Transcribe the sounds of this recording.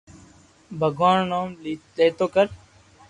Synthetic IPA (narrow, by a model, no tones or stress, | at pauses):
bʱəɡʋaːɳːaːmlileːt̪oːkəɾ